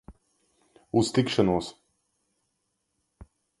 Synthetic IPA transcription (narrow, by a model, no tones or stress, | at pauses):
ust̪ikʃanuɔs